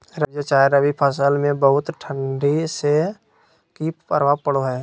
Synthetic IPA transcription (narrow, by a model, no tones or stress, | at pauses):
ɾəbjət͡ʃaːeɾəbʱipʰəsəlmẽbəɦʊt̪ʈʰə̃ɳɖise | kippəɾʋapəɽoɦɛː